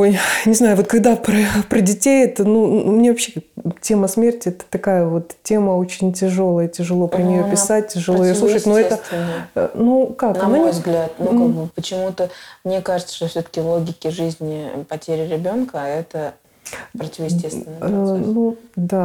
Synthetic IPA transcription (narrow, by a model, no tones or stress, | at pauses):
o̞jnʲɪznajʊvo̞t̪kɐɡd̪apɾəpɾədʲɪtʲejɛt̪ənumnʲevɐpɕːetʲe̞məsmʲertʲɪɛt̪ə̥t̪ɐkajəvo̞t̪tʲe̞məo̞t͡ɕɪnʲtʲɪʐo̞lˠəjətʲɪʐɨlˠo̞pɾənʲɪjopʲɪsat̚ʲtʲɪʐɨlˠojɪjosˠuʂɨtʲnoɛt̪əɪnːənukaknɐnɐnʲojvzɡlʲat̪̚nukaɡ̚bɨpət͡ɕɪmut̪əmnʲekaʐɨt̪sə̥ʂt̪ofsʲot̪ə̥kʲɪlˠoɡʲɪkʲɪʐɨzʲnʲɪpɐtʲeɾʲɪɾʲɪbʲo̞nkəɛt̪ə | pɾətʲɪvəjɪs̬ʲtʲesvʲɪnənud̪a